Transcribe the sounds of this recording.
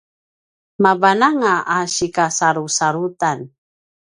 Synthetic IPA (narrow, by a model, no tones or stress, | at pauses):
mabanaŋaʔaɕikasaɾusaɾut̪an